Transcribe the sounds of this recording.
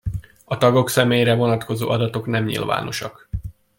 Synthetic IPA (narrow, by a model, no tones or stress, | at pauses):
ɒt̪ɒɡo̞ksɛmeːjɾɛvo̞nɒt̪ko̞zo̰ːʔɒd̪ɒt̪o̞knɛmɲḭlva̰ːno̞̰ʃɒk